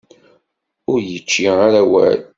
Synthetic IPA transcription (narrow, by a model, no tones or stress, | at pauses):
ʊɾjət͡ʃːiaɾæwæ̰l